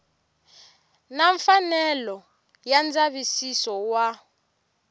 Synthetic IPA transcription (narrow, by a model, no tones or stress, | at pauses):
naɱfanɛlɔ | jand͡zaβisisɔwa